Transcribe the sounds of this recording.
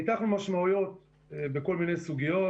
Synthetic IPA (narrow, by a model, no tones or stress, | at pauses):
it̪aχnumaʃmaujo̞t̪ | be̞ko̞lmine̞jsuɡijo̞